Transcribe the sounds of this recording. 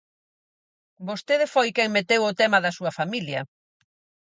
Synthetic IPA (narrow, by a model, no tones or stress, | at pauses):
bost̪eðefojkɛŋmet̪ewʊt̪emɐðɐsuɐfamiljɐ